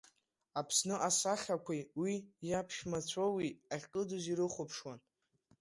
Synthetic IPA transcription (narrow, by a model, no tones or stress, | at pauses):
apʰsnɨʔasaχʲakʷʰajwijapʰʃmat͡ɕʷʰawiaʁʲqʼɨduziɾɨχʷʊpʰʂwan